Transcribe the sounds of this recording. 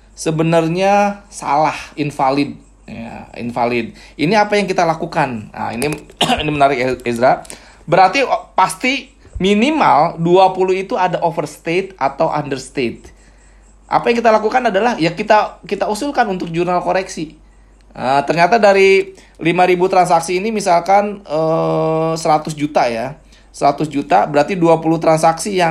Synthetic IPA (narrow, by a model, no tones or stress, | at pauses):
səbənərɲasa̰lahinfalɪd̚ | ja̰ḭnfalɪd̚iniapajaŋkit̪alakukan̰ḭniinimənaɾɪk̚ezɾa | bəɾart̪ipast̪i | minimalduapuluit̪uadaʔofərst̪et̪̚at̪awʔa̰ndərst̪et̪̚ | ʔa̰pajaŋkit̪alakukanadalahjakit̪akit̪ausulkanunt̪ʊk̚d͡ʒurnalkoɾɛksi | ʔət̪ərɲat̪adaɾi | limaɾibut̪ɾansaksiːnimisalkanə | səɾat̪ʊsd͡ʒut̪aja | səɾat̪ʊsd͡ʒut̪abəɾart̪iduapulut̪ɾansaksija